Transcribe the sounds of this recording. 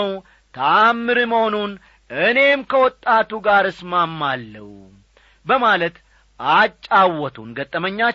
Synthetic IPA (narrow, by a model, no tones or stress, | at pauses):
w | t̪ʰaːmːɨɾɨmhonun | ʔɨne̞mkʰəwɔt̪ʼːat̪uɡaɾɨsmamːalːə̰wu | bəmalət̪ | ʔat͡ʃʼːawːɔt̪ʰunɡət̪ʼːəməɲːa